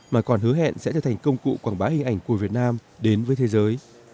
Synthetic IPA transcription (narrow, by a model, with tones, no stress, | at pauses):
maː˨˩kɔ˨˩nɦɨ˨˦əɦɛ̰˧˨nsɛ̰˧˥t͡ɕʰə˧˩t̪ʰŋ̟kə˧wŋ͡mkṵ˧˨kwaː˧˩ɓaː˨˦hï˧ŋ̟ʔa˧˩jŋ̟ku˧˩əvi˨˩ət̚naː˧mɗe˨˦nvəː˨˦jt̪ʰe˨˦zəː˨˦j